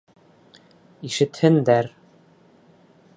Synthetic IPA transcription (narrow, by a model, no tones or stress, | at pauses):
iʃɘ̆t̪hɘ̆nd̪æɾ